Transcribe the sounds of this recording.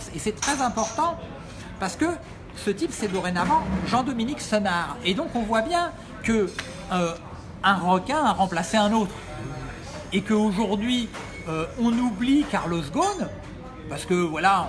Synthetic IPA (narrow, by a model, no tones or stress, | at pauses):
esɛt̪χɛzɛ̃pɔʁt̪ɑ̃ | paʁsə̥kə | sət̪ipsɛd̪ɔʁenavɑ̃ʒɑ̃d̪ɔminiksɔnaʁed̪ɔ̃kɔ̃vwabjɛ̃ | kə | ø | ɛ̃ʁɔkʲɛ̃aʁɑ̃plaseɛ̃not̪χ | ekəoʒuʁd̪ɥi | øɔ̃nublikaʁlozɡon | paʁsə̥kəvwalã